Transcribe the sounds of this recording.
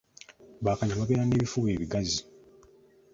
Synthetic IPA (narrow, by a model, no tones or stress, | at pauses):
βaːkaɲamaβeːɾaneːβifuβe̞ːβiɡazi